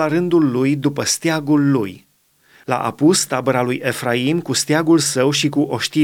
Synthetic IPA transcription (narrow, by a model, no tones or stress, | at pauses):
aɾɨnd̪ulːujd̪upəst̪jaɡulːuj | la̰ʔa̰pust̪abəɾalujʔe̞fɾaimkust̪jaɡulsəwʃikuʔo̞ʃt̪i